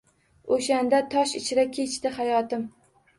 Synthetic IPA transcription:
oʃand̪at̪ʰɒʃɪt͡ʃʰɪɾakʲʰe̞t͡ʃt̪ɪhajɒt̪ɪm

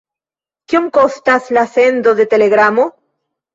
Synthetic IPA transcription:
kjeŋkost̪aslasend̪oðet̪eleɣɾamo

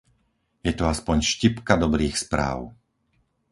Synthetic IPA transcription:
jɛt̪ɔaspɔɲʃcipkad̪ɔbɾiːxspɾa̰ːʊ

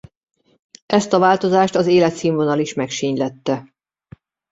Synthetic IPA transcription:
ɛst̪ɒvaːlt̪o̞zaːʃt̪ɒzeːlɛt̪siːɱvonɒliʃmɛkʃiɲlɛt̪ːɛ

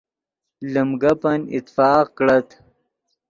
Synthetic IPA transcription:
ləmɡɐpɐnḭt̪fɑːqkɽɐt̪

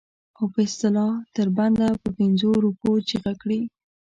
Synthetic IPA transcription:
awpəɪst̪ɪlɑt̪əɾband̪apəpɪnzoɾupot͡ʃeɣakɽi

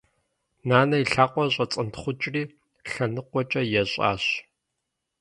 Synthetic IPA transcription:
naːnɐiɬaːqʷɔɕʼɐt͡sʼɨntʰχʷʊt͡ʃʼriː | ɬɐnɨqʷɔt͡ʃʼɐjɛɕʼa̰ːɕ

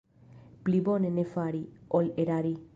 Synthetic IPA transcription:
plibonenefaɾiɔleɾaɾi

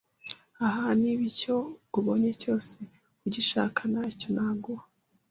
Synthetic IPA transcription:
aɦaniβico̞ɡuβo̞ɲeco̞ːse̞ | uɟiʃa̰ːkʰanaco̞naːɡuɾa

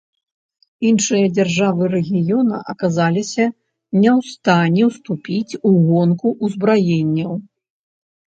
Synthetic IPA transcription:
inʂɨjɐd͡zʲɛrʐavɨɾɛɣʲijɔnɐ̰ʔɐkazalʲisʲɐ | nʲɛwst̪anʲɛwst̪upʲit͡sʲuɣɔnkuʔuzbɾajenʲːɐw

